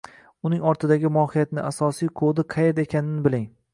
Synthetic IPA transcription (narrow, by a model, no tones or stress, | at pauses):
ʊnɪŋɒɾt̪ʰɪd̪aɡʲɪmɒhijat̪nɪasɒsijqʰod̪ɪqʰɑjet̪e̞kʲʰanɪnɪbɪlɪŋ